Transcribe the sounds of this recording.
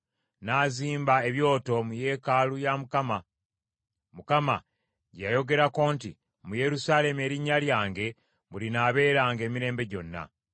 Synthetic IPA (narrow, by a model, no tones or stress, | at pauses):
naːziːmbae̞βjo̞ːto̞muje̞ːkalujamukama | mukama̰ | ɟajo̞ɡe̞ɾako̞ːntḭ | muje̞ɾusaːle̞me̞ːɾiɲːaljaːŋɡe̞ | βulinaːβe̞ːɾaːŋɡe̞ːmiɾe̞ːmbe̞ɟo̞nːa̰